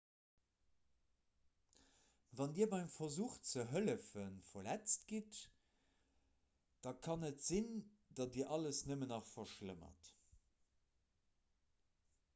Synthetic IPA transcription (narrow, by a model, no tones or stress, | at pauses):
vɑndiːɐbɑæmfɐzuːχt͡səɦələfənfɐlæt͡stɡ̥it | d̥ɑkʰɑnətz̥in | d̥ɑdiːɐʔɑləsnəmənɑχfɐʃləmɐ̰t